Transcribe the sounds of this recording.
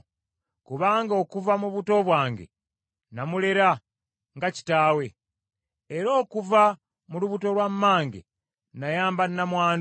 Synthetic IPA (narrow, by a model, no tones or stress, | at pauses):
kuβaːŋɡo̞ːkuvamuβuto̞βwaːŋɡḛ | namuleɾa | ŋɡaci̥taːwe̞ː | ɾo̞ːkuva | muluβuto̞lwamːaːŋɡḛ | najaːmbanːamwaːn